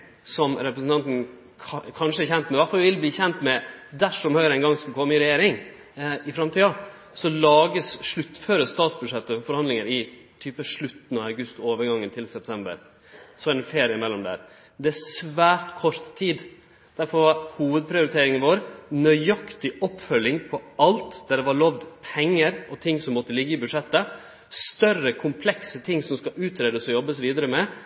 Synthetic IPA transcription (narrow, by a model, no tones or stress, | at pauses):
sɔmɾɛpɾəsn̩t̪ɑnt̪n̩ʰ | kʰɑnʂəɛɾçɛnt̪mɛʋæɾfɑlʋʋɪlbliːçɛnt̪mɛd̪æʂɔmhœʏɾæɪnɡɑŋsʉkʰɔmːəɪɾɛjeːɾɪŋ | ɪfɾɑmt̪ʰiːɑ | sɔlɑːɡəsʂɭʉt̪ːføːɾəst̪ɑːt̪sbʉd̪ʂɛt̪ːəfɔɾhɑnd̪lɪŋəɾɪ | t̪ʰyːpəʂɭʉt̪ːn̩ɑɑʉɡʉst̪oːʋəɾɡɑŋːənt̪ʰɪlsɛp̚t̪ʰɛmbə̰ɾ | sɔæɾɛnfeːɾɪəɪmɛlːɔmd̪æ̰ːɾ | d̪ɛæsʋæːɾt̪kʰɔɾt̪ʰːiːd̪ | d̪̥æɾfɔɾʋɑɾhuːʋəd̪̚pʰɾɪʊɾɪt̪ʰeːɾɪŋənʋoːɾnœʏɑkt̪ɪʔɔpːfœlːɪŋpʰɔɑlt̪d̪æɖ̪ɛʋɑɾɭɔʋd̪pʰɛŋːəɾɔt̪ʰɪŋːsɔmːɔt̪ːəlɪɡːəɪbʉʂɛt̪ːə | st̪œrəkʰʊmpʰlɛksət̪ʰɪŋːsɔmskɑʔʉːt̪ʰɾeːd̪əsɔjɔbːəsʋiːd̪əɾəmɛ